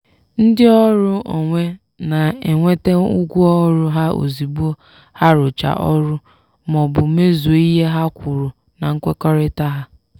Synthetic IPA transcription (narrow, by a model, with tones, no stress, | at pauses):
n̩˦dɪ˦ɔ˦ɾʊ˦o̰˨ŋʷe˦ | na˨e˨ŋʷe˦te˦ʊ˦ɡʷu˦ɔ˦ɾʊ˦ɦa˦o̰˨zi˨bu˦o˦ | ha˦ɾʊ˨t͡ʃa̰˨ʔɔ˦ɾʊ˦ | mɔ˨bʊ˨me˦zo˨i˦ɦe˦ɦa˦kʷʊ˨ɾʊ˨ | na˨ŋ̩˦kʷe˦kɔ˦ɾɪ˦ta˦ɦa˦